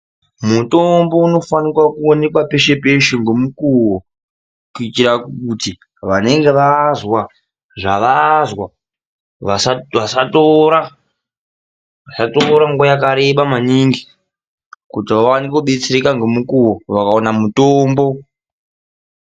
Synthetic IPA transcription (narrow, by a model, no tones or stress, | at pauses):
muto̞mbo̞uno̞fanikwakuone̞kwape̞ʃe̞pe̞ʃeŋɡo̞mukuwo | kuitiɾakuti | ʋane̞ŋɡe̞ʋazwa | ʐaʋazwa | ʋasaʋasatoɾa | ʋasatoɾaŋɡojakaɾe̞ɓamaniŋɡi | kutiʋawanikoɓe̞t͡seɾekaŋɡomukuwo̞ʋakaonamutoːmbo̞